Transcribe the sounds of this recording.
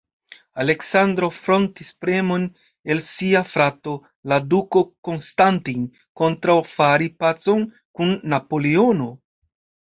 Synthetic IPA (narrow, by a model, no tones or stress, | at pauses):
ale̞ksandɾo̞fɾo̞ntispɾe̞mo̞n | e̞lsiafɾato̞ | laduko̞ko̞nstantin | ko̞ntɾawfaɾipat͡so̞n | kunːapo̞leono̞